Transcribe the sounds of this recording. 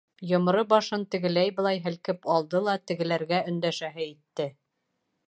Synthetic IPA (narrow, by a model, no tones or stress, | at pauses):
jŏm̆ɾɤbɑʃɤnt̪ɘ̆ɡɘ̆læjbɤ̆lˠɑjɦɘ̆lkɘpɑlˠd̪ɤlˠɑt̪ɘ̆ɡɘ̆læɾɡæɵ̆nd̪æʃæɦɘit̪ːɘ